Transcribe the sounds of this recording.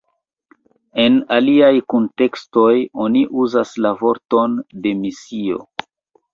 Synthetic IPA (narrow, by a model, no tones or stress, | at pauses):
e̞naliajkonte̞ksto̞jo̞niʔuzaslavo̞ɾto̞nde̞misio̞̰